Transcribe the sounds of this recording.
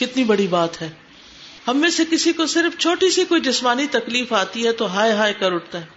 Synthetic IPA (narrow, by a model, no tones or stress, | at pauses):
kɪt̪nibɐɽibaːt̪ɦɛː | hɐmːẽsekɪsikosɪɾft͡ʃʰoːʈisikoːid͡ʒɪsmaːnit̪ɐkliːfaːt̪iɦɛt̪oɦaːeɦaːekɐɾʊʈ̚ʰt̪aɦɛː